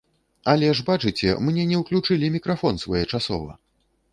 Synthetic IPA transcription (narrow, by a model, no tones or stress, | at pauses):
ɐlʲɛʐbat͡ʂɨt͡sʲɛ̰mnʲɛnʲɛwklʲut͡ʂɨlʲimʲikɾafɔnsvajɛt͡ʂasɔ̰vɐ̰